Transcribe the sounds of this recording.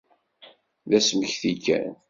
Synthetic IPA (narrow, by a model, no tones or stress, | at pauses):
ðæsməçθikːæ̰n